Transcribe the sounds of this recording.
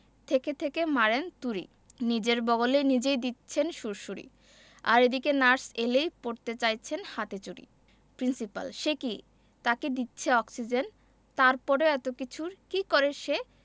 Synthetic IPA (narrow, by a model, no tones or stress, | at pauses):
t̪ʰeket̪ʰekemaɾent̪uɾḭ | nid͡ʑeɾbɔɡolenid͡ʑejd̪itːɕʰenʃuɾʃuɾḭ | a̰ɾed̪ikenaɾselejpoɾt̪et͡ɕajt͡ɕʰenhat̪et͡ɕuɾḭ | pɾinsipa̰lʃeki | t̪aked̪itːɕʰeɔksid͡ʑen | t̪aɾpɔɾeɛt̪okit͡ɕʰuɾkikɔɾeʃe